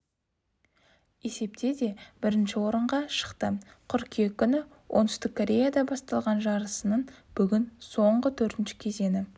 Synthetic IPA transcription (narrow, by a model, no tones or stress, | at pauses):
e̞se̞p̚t̪e̞d̪e̞b̥ɪɾɪnʃɪwo̞ɾəɴʁɑʃə̥qt̪ə | qʰʊɾkʲijekʲːʏnɪ | wʔont̪ʏst̪ɪkʰːoɾʲe̞jad̪ɑbɑst̪ɑlˠʁɑnʒɑɾəsənəɴb̥ʏɡʲɪnso̞ɴʁət̪ʰɵɾt̪ɪnʃɪ̥kʲʰe̞ze̞nɪ